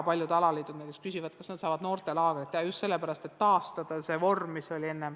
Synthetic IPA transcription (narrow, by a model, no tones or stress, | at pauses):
pɑlʲjud̪̥ɑlɑliːd̪ud̪nejt̪ekskysivɑd̪̚kɑsned̪sɑːvɑd̪̥no̞ːrt̪e̞lɑːɡ̥ɾit̪ːˑeɑjust̪se̞lːepæɾɑst̪e̞tt̪ːɑːst̪ɑd̪̥ɑse̞vo̞rmːiso̞lʲie̞nːem